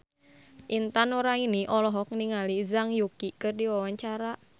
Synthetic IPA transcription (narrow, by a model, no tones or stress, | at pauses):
ʔint̪anuɾainiʔɔlɔɦɔk̚niŋalizaŋjukikərdiwawaɲt͡ʃaɾaʔ